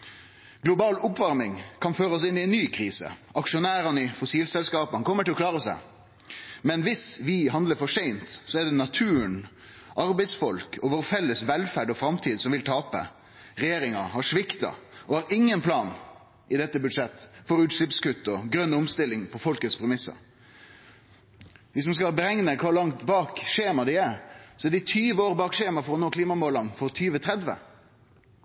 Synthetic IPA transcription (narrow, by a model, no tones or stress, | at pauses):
ɡ̥lʊbɑːlʊpʋɑɾmɪŋkʰɑnføːɾəɔs̬ɪnɪɛɪnːyːkʰɾiːsə̰ɑkʂʊnæːɾɑnəɪfʊsiːlsɛlskɑːpənkʰɔmːəʈɪlɔkʰlɑːɾəsæ̰ɪ | mɛnʋɪsʋɪɦɑnd̪ləɾfɔʂæɪnt̪sɔɛɖ̪ɛnɑt̪ʰʉːəɳ | ʔɑɾbɛɪd̪sfɔlkʰɔʋɔɾfɛlːəsʋɛlfæɖɔfɾɑmt̪ʰiːd̪sɔmʋɪlt̪ʰɑːpə̰ | ɾɛjeːɾɪŋɑhɑʂʋɪkt̪ɑ̰ɔhɑɾɪŋːənpʰlɑːn | ʔɪd̪ɛt̪ːəbʉd̪ʂɛt̪ːfɔɾʉːt̪ʂɭɪpskʉt̪ːɔɡɾœnːʊmst̪ɪlːɪŋpʰɔfɔlkət̪spʰɾɛmɪsːə̰ɾ | ʋɪsɔmskɑlbəɾɛŋnəkʰʋɑːlɑŋt̪bɑːkʂeːmɑd̪æɪæɾsɔɛɖ̪ɪt̪ʰyːʋəoːɾbɑːkʂeːmɑfɔɾɔnoːkʰliːmɑmoːlɑnfɔɾt̪ʰyːʋət̪ʰɾɛd̪ʋə̰